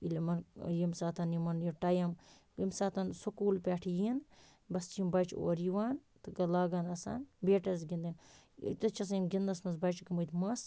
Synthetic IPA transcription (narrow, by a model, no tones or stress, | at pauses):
ilimɐnjimsaːt̪ɐnjimɐnjiʈɐjɐm | imsaːt̪ɐnsukuːlpʲaːʈʰijin | bɐst͡ʃimbɐt͡ʃʰo̰ːɾiʋaːnt̪ɨɡɐlaːɡɐnɐsa̰ːnbeːʈɐs̬ɡind̪in̰ | t̪ɐt͡ʃʰɐs̬inɡind̪ɐsmɐsbɐt͡ʃkimɐt̪ʲmɐs